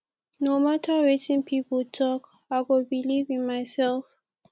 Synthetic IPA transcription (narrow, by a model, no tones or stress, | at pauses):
nomatʰəɹetĩnpʰipəltʰɔk | aɪɡobilivĩnmaɪsɛlf